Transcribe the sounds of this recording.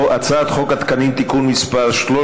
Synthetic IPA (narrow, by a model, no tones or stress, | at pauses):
at͡saːt̪χo̞kat̪kanimt̪ikunmispaʁʃlo